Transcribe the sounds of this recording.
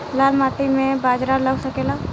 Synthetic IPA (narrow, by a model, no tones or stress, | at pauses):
laːlmaːʈimẽbaːd͡ʒɾaləɡsəkeːla